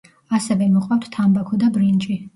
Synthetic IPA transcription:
asɛvɛmɔqʼwawt̪t̪ʰːambakʰɔd̪abɾint͡ʃʼi

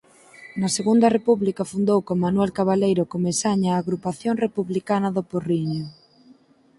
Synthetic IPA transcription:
nɐseɣund̪ɐrepuβlikɐfund̪owkoŋmanwɛlkaβalejɾʊkomesaɲaːɣɾupaθjoŋrepuβlikanɐðoporiɲo

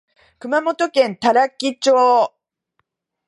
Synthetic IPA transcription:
kɯ̟mamo̞t̪o̞kẽ̞nt̪aɾakʲːit͡ɕoː

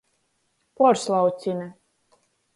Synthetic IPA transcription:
pɔɾslˠawt̪sinɛ

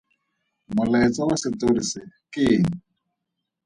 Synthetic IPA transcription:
mʊlaɪt͡sʼawasɪt̪orisɪkɪːŋ̩

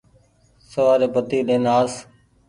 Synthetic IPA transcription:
səʋaːɾeːpət̪iːlẽːnaːs

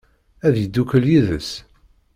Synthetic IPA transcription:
æðjəd̪ːukəljiðə̰s

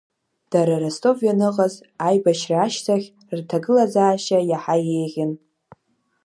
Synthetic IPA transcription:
d̥aɾaɾastʼo̞vjanɨqʼaz | ajbaʃraːʃtʰaχʲ | rtʰaɡɨlazaːʃajaħajejʁʲɪn

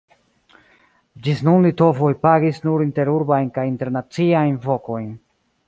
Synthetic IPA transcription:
d͡ʒisnunlito̞vo̞jpaɡisnuɾinte̞ɾuɾbajnkajinte̞ɾnat͡siajnvo̞ko̞jn

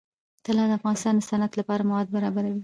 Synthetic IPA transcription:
t̪əlɑd̪əafɣɑnɪst̪ɑnd̪əsanat̪lapɑɾamawɑd̪̚baɾɑbaɾawi

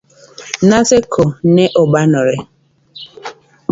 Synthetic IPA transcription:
nasekʰoneʔobanɔɾe

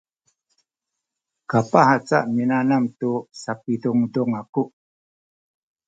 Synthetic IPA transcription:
kapahat͡sa̰ʔminanamtusapiduŋdɔŋaku

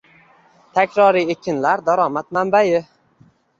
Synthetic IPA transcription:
t̪ʰakʲɾɒɾiekʲɪnlaɾd̪aɾɒmat̪̚mambajɪ

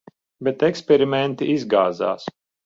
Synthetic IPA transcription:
bʲɛt̪ɛkspʲɛɾimʲɛnt̪iizɡaːza̰ːs

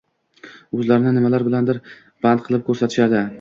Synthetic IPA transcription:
ɵzlaɾɪnɪnɪmalaɾbɪland̪ɪɾ | b̥and̪̚qʰɨlˠɪp̚kʰɵɾsat̪ʰɪ̥ʃad̪ɪ

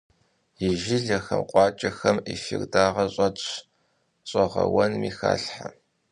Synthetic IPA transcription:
jɪʒɪɮɐxɐmqʷʼɑːt͡ʃʼɐxɐmifirdaːʁɐɕʼɐt | ɕʼɔʁɐ̰wɐnmiːxa̰ːɬħa

